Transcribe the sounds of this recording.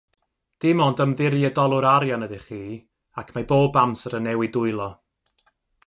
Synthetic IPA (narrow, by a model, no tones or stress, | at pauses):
d̥ɪmɔndəmðɪɾjədɔlˠʊɾaɾjanədɪχiː | akʰmaboːbamsəɾənɛwidʊɨlˠɔ